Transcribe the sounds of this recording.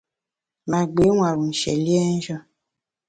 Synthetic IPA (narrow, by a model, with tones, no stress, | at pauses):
ma˨ɡ͡be˨˦wa˨ɾu˨n̩˨ʃɛ̰˨li˦ɛ˦n̩˦ʒɔ˦